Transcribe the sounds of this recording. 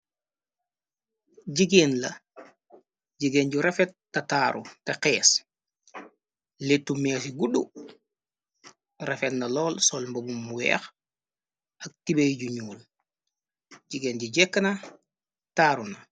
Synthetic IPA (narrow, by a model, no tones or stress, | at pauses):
ɟiɡeːnlɐ | ɟiɡenɟuɾefet̚ːataːɾʔṵteqɛːs | letːumeːsiɡuɗu | refetnɐlɔːlsɔlmbobumːuwɛ̰ːx | ɐk̚tibejɟuɲuːl | ɟiɡeːnɟuɟɛkːɐnɐ | taːɾunɐ